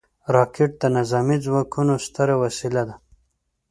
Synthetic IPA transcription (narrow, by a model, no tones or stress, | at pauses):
ɾɑkeʈ̚d̪ənazɑmid͡zwɑkʰunost̪aɾawasilad̪a